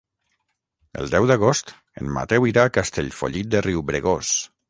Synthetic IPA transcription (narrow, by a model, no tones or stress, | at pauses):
ə̰lˠd̪ɛwd̪əɣ̞ost̪ | ə̰nma̰t̪ɛwiɾaːkast̪eʎfo̰ʎit̪̚d̪əriwbɾeɣos